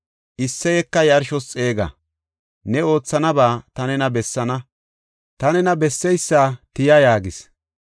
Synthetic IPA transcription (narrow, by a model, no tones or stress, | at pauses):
ʔɪsːɛjɛkːɐjɐɾʃɔst͡sʼe̞ːɡɐ̰ | nɛo̞ːt͡sːɐnɐbaːt̪ɐnɛnɐbɛsːɐnɐ | t̪ɐnɛnɐbɛsːɛjsːaːt̪ɪjɐjaːɡɪs